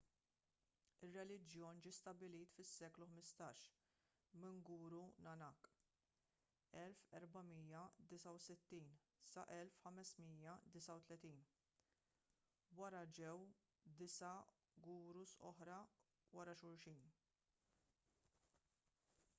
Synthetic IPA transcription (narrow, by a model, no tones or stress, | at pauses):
ɪrːɛlɪd͡ʒjɔːnd͡ʒiːst̪ɐbɪliːt̪fɪsːɛːkluħmɪst̪ɐːʃ | mɪŋɡuːɾunɐnɐk | ɛlfɛɾbɐmiːjɐd̪ɪsɐwsɪt̪ːiːn | sɐ̰ʔɛlfħɐmɛsmiːjɐd̪ɪsɐwt̪lɛt̪iːn | wɐɾɐd͡ʒɛw | d̪ɪsɐ | ɡuːɾusɔ̰ħɾɐ | wɐɾɐʃʊɾʃiːn